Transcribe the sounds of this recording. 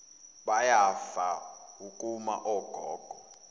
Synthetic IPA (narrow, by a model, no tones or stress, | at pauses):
ɓajafaukʼuma̰ʔɔːɡ̥ʱɔːɡ̥ʱɔ